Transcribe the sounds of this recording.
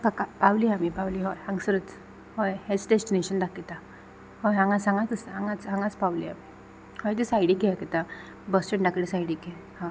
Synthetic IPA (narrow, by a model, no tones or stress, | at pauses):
kakapawliamipawliɦɔjãŋɡsəɾət͡s | hɔjhet͡sɖesʈineɕənd̪akit̪a | hɔjɦãŋɡat͡sãŋɡat͡səsãŋɡat͡sɦãŋɡat͡spawlia̰mi | hɔjt̪̬isajɽikɛket̪a | bəsʈəɳɖakɽisajɽikɛ | hã